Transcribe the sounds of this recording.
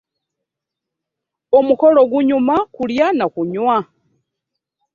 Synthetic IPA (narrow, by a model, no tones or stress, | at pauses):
omuko̞loɡuɲumakuljanakuɲwa